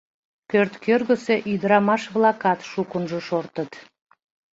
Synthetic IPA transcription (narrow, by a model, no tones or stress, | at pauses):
pørt̪kørɣəse̽ʔyd̪əɾɑmɑʃβlɑkɑt̪ʃukənʒoʃort̪ət̪